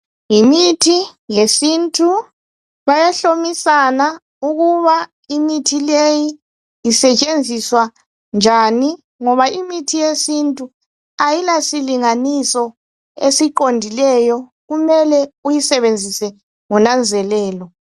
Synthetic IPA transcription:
jimitʰijesintʼu | βajaɬomisana | uɣuβa | imitʰilejiː | sɛt͡ʃʼend͡zʱiswa | nd͡ʒʱani | ŋɔβaimitʰijesintʼu | ajilasiliŋanisɔ | esiǃondʱilɛjɔɣumɛlɛujisɛβend͡zʱisɛ | ŋunand͡zʱɛlɛːlɔ

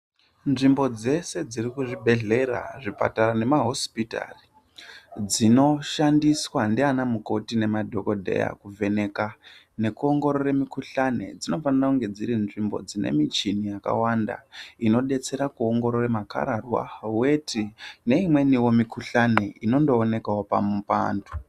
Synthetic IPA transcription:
nʐimbo̞d͡ze̞se̞d͡zirikuʐibʱe̞ɮe̞ɾa̰ʐipa̰tarane̞maɦo̞spita̰ːri | d͡zino̞ʃandiswandianamuko̞tine̞madʱo̞ko̞dʱe̞̰ja̰kuve̞ne̞ka | ne̞kuo̞ŋɡo̞ɾoɾemikuɬane̞̰d͡zino̞fanirakuŋɡe̞d͡ziɾinʐimbo̰d͡zine̞̰mit͡ʃinijaka̰wanda̰ino̞ɗe̞t͡se̞ɾakuo̞ŋɡo̞ɾoremaka̰ɾarwa̰we̞tʰine̞imwe̞niwo̞mikuɬane̞ino̞ndo̞ːne̞kaopamupa̰ːndu

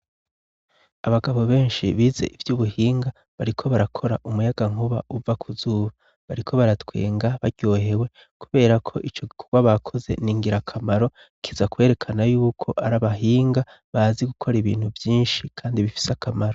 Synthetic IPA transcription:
aβaɡaβo̞βe̞ːnʃḭβize̞̰ʔivjuːβuhiːŋɡa | βaɾikʰo̞βaɾakʰo̞ɾaʔumujaɡaŋ̥uβa̰ʔuvakʰuzuːβa | βaɾikʰo̞βaɾatwe̞̰ːŋɡaβaɾɟ̥o̞ːɦe̞we̞ | kuβe̞ːɾakʰo̞̰ʔit͡ʃo̞ɡikʰo̞ɡwaβakʰo̞ze̞̰niːŋɡiɾakʰamaɾo̞ | kʰizakwe̞ːɾe̞kʰanajuːkʰo̞ʔaɾaβaɦiːŋɡa | βaziɡukʰo̞ɾiβiːn̥huvjiːnʃikʰaːndiβifi̥sakamaɾo

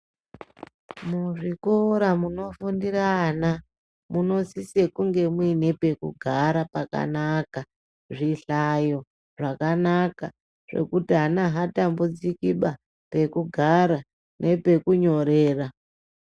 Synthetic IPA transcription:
muʐikoɾamuno̞fundiraːna | muno̞sise̞kuŋɡe̞mwine̞pe̞kṵɡʱaɾapaka̰naka | ʐiɬajo̞ | ʐakanaka | ʐ̥e̞̰kutiɦanaɦatambud͡zikiɓa | pe̞kuɡʱaɾa | nʔe̞pe̞kuɲo̞ɾeːra

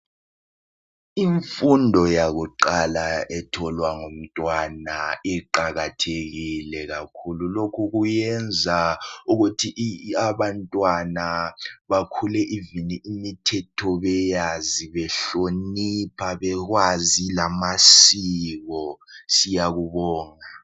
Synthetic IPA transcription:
iɱfundʱɔjaɣuǃalaʔɛtʰɔlwaŋom̩tʼwanaɛǃaɣatʰeɣilɛɣakʰululokʰuɣujɛnd͡zʱauɣutʰiʔaβantʼwanaβakʰulɛʔiviniʔimitʰɛtʰɔβɛjaziβɛɬonipʰaβɛɣwazilamasiɣɔsijaɣuβɔːŋa

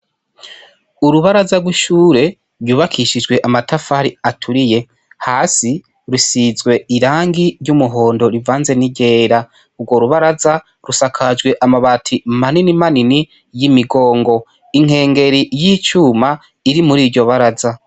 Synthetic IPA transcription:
uɾuβaɾazaɾɡwiʃuːɾe̞ | ɾjuβakʰiʃid͡ʒɡwe̞ʔamatʰafaɾiatʰuɾije̞ | haːsi | ɾusizɡwe̞iɾaːŋɡiɾjumuɦo̞ːndo̞ɾivaːnze̞niɟe̞ːɾa | ubɡwo̞ɾuβaɾaza | ɾusakʰad͡ʒɡwe̞ʔamaβatʰimaninimanini | jimiɡo̞ːŋɡo̞ | iŋ̥e̞ːŋɡe̞ɾijiːt͡ʃuːma | iɾimuɾiːɾɟo̞βaɾaza

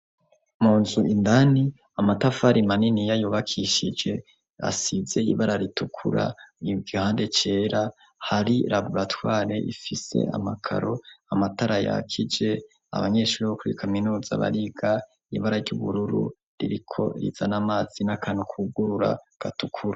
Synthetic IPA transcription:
muːnzuindani | amatafaɾimaninijajuːβakʰiʃid͡ʒe̞ | a̰sizze̞iβaɾaɾitukʰuɾa̰ibɡihaːnde̞t͡ʃe̞ːɾa | haɾiɾaɡuɾatwaːɾe̞ʔifise̞̰a̰makʰa̰ɾo̞amataɾaja̰kʰid͡ʒe̞ | a̰βaɲe̞ːʃuɾiβokuɾikʰaminuːza̰βa̰ɾiɡ̥a | iβaɾaɾɟuβuɾuɾṵ | ɾiɾikʰo̞̰ɾḭzanamaːz̥inakʰaːnukʰuɡuɾuɾa̰ɡ̥atukʰuɾa

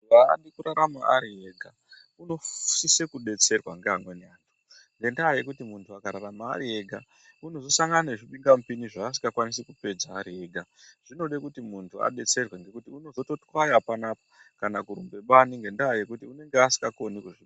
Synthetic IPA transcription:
ua̰ːɗikuɾaɾama̰aɾieɡʱa | uno̞fu̥sisekuɗe̞t͡se̞rwa̰ŋɡeaŋɡweneaːntʰu̥ | ŋɡe̞ndaːje̞kutimuntʰuakaɾaɾama̰ːɾie̞ɡʱa | uno̞zo̞saŋɡananeʐiɓiŋɡam̩piniʐaːs̬i̥ŋɡakwanis̬ekupe̞d͡zaːɾie̞ːɡʱa | ʐ̥ino̞ɗekutimuntʰua̰ɗe̞t͡se̞rweŋɡe̞kutiuno̞zo̞to̞twajapanaːpokanakuɾumbe̞ɓaniŋɡe̞ndaːje̞kutiune̞ŋɡeasi̥ŋɡako̞nikuʐi

